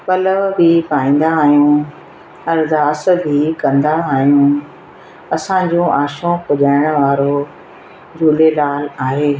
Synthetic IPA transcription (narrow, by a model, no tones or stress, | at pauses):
pɐləʋbʱipaːĩːn̆d̪aːɦjũ | ɐɾd̪aːs̆bʱikɐ̃nd̪aːɦijũː | ɐsãɲd͡ʑõʔaːʃõpʊʄaːɪɽ̃̆ʋaːɾo | d͡ʑʱuːlelaːlaːɦeː